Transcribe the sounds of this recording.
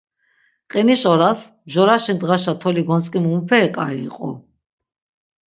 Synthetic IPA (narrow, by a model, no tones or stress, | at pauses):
qʼiniʃɔɾas | ʒɔɾaʃind̪ʁaʃat̪ʰɔliɡɔnt͡sʼkʼimumupʰɛːkʼaiːqʼɔ̰